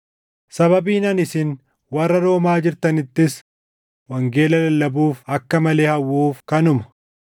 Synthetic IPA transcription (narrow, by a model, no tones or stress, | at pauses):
sɐβɐbiːnɐnɪsɪn | wɐrːɐɾo̞ːmaːd͡ʒɪɾt̪ɐnɪt̪ːɪs | wɐŋɡeːlɐlɐlːɐbuːfɐkːɐmɐle̞ːhɐwːuːfkɐnʊmɐ̥